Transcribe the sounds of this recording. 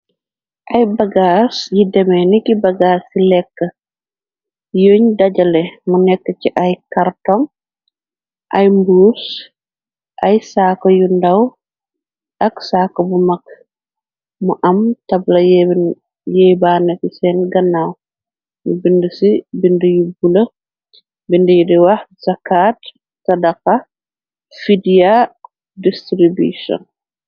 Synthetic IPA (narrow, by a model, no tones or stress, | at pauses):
ʔajbɐɡaːsjidɛmɛnikibɐɡaːsilɛkːə | joɲdɐɟɐlɛmunɛkːəciʔɐjkartɔŋ | ʔɐjmbuus | ʔɐjsaːkɔjundaw | ʔɐksaːkɔbumɐk̚ | muʔɐmtɐblɐj | jɛjbaːnɛkisɛnɡɐnːaw | mubindəsibindəjubulɐ | bindəjudiwɐhzɐkːat | sɐdɐqɐ | fidia | distɾibusɔ̰n